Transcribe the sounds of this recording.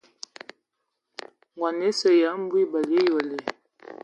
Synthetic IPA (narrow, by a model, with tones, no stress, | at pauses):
ŋwa˨ne˨˦sə˨ja˨˦m̩˦bwi˦bə˨lje˦jɔ˨lɛ˨